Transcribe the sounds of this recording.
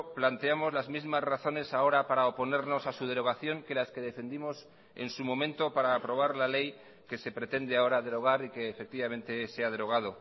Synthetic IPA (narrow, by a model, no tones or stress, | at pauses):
plant̪e̞amo̞zlazmizmazraθo̞ne̞sao̞ɾapaɾaopo̞ne̞ɾno̞sasuð̞e̞ɾo̞ɣ̞aθjo̞ŋke̞laske̞ð̞e̞fe̞nd̪imo̞s | e̞̰nsumõ̞mẽ̞nt̪o̞paɾaːpɾo̞β̞aɾlale̞j | ke̞se̞pɾe̞t̪e̞nd̪eao̞ɾaðe̞ɾo̞ɣ̞aɾike̞ːfe̞k̚t̪iβamẽ̞nt̪e̞seað̞e̞ɾo̞ɣ̞að̞o